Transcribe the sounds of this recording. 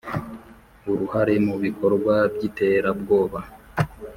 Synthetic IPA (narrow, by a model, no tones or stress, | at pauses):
uɾuhaɾe̞muβiko̞ɾɡwabɟite̞ɾabɡo̞ːβa